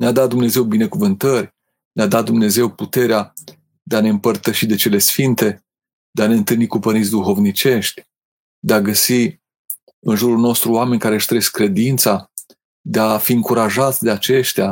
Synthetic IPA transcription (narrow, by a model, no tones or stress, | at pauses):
nead̪at̪̚d̪umne̞ze̞wbine̞kuvɨnt̪ərʲ | nead̪at̪̚d̪umne̞ze̞wput̪e̞ɾea | d̪eane̞ɨmpərt̪əʃid̪e̞t͡ʃele̞sfint̪e̞ | d̪eane̞ɨnt̪ɨlnikupənit̪sʲd̪uxo̞vnit͡ʃe̞ʃt̪ʲ | d̪eaɡəsi | ɨnʒuɾulno̞st̪ɾuoame̞nʲkaɾe̞ɨʃt̪ɾeskːɾe̞d̪int̪sa | d̪eafiɨŋkuɾaʒat̪sʲd̪e̞at͡ʃe̞ʃt̪ea